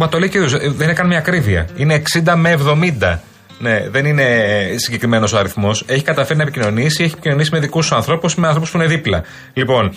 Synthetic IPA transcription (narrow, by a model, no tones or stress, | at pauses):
mɐt̪oliciðuzðeninekɐnimɲɐːkɾiviɐ̰ineːksind̪ɐme̞ːvðo̞mind̪ɐ̰ | ne̞ðe̞nine̞siɲɟe̞kɾime̞no̞soɐɾiθmo̞se̞çi̥kɐt̪ɐfeɾinɐepicino̞nisieçiepicino̞nisimeðikusɐnθɾo̞pusmeɐ̃nθɾo̞puspuine̞ðiplɐ | lipo̞n